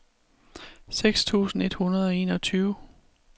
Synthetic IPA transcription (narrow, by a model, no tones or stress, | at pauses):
seɡ̥st͡sʰṵːsn̩e̝d̥hunɐð̞ˠɒ̽e̝̰ːnɒ̽t͡sʰyːʊ